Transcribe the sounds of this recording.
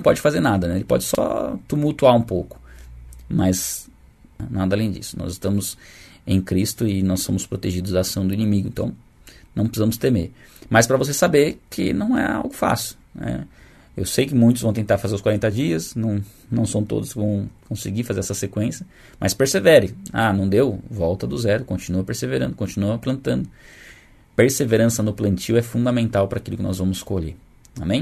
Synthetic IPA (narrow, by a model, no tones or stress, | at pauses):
ɐ̃w̃pɔd͡ʒɪfazeɾnad̪ɐnɛelɪpɔ̰d͡ʒɪsɔ̰t̪umuwt̪uaũpowkʊ̥ | mɐz | nad̪ɐaːlẽj̃d͡ʒḭsʊ̥nɔ̰zɪst̪ɐ̃mʊz | ẽj̃kɾist̪ʊɪnɔssõmʊspɾot̪eʒid̪ʊzaːsɐ̃w̃d̪ʊinimiɡʊḛ̃t̪ɐ̃w̃ | nɐ̃w̃pɾɪsizɐ̃mʊst̪emeɾ | maspɾɐvos̬esabeɾkʰɪ̰nɐ̃w̃ɛ̰a̰wɡʊfa̰sɪʊ̥ | nɛ̰ | ḛwsejkɪmũj̃t̪ʊzvɐ̃w̃t̪ẽnt̪aɾfazeɾʊskwaɾẽnt̪ɐd͡ʒiɐsnɐ̃w̃ | nɐ̃w̃sɐ̃w̃t̪o̰d̪ʊskɪvɐ̃w̃kõsɪɡifazeɾɛsɐsekwẽsjɐ | mɐ̰speɾsevɛɾẽa̰nɐ̃w̃d̪ewvɔwt̪ɐd̪ʊzɛɾʊkõnt͡ʃinuɐpeɾseveɾɐ̃nd̪ʊkõt͡ʃinuɐplɐ̃nt̪ɐ̃nd̪ʊ | peɾseveɾɐ̃sɐnʊplɐ̃nt͡ʃiwɛfũd̪amẽnt̪awpɐɾakilʊkɪnɔ̰zvɐ̃mʊskoʎe | a̰mẽj̃